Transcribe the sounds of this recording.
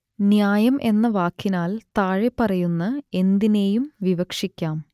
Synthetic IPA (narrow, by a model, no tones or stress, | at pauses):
njaːjɐmʔe̞nːɐʋaːkːinaːlt̪aːɻepːɐrɐjunːɐe̞nd̪ine̞ːjumʋiʋɐkʂikʲːaːm